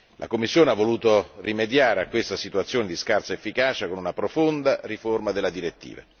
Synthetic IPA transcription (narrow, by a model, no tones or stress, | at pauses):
lʔa̰komːisːjoːneavːoluːt̪orimed̪jaːɾeakːwest̪asit̪uat̪sːjoːned̪iskarsaefːikaːt͡ʃakonunapɾofond̪ariformad̪elːad̪iɾet̪ːḭːva̰